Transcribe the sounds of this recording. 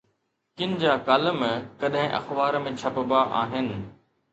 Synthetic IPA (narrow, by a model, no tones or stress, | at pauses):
kɪnd͡ʑaːkaːləmkɐɗɦɪ̃ʔɐ̰xbaːɾmẽt͡ɕʰɐpəbaʔa̰ːɦɪnɪ̆